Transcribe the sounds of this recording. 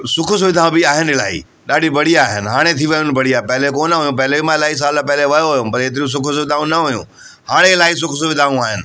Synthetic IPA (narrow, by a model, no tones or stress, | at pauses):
sʊkʰʊs̬ʋɪd̪ʱãːbɪaːɦɪnɪla̰ːḭ | ɗaːɖibɐɽ̤iaːɦɪnɪ̆ɦaːɽ̃et̪ʰiʋɐjʊ̃nɪbɐɽiaːɦpɐɦɪlekoːnəʋɐjũpɐɦlemãɪlaːis̬aːlpɛɦɪleʋɐjoʋɐjũpɐɾeːt̪̬ɪɾios̬ʊkʰʊsʋɪd̪ʱaːũnɐʋɐjṵ̃ | haːɽ̃eɪlaːis̬ʊkʰʊsʋɪd̪ʱaːʋũaːɦɪnɪ̆